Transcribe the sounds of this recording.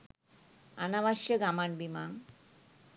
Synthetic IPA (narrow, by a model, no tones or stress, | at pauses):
a̰naʋaʃjəɡamanbimaŋ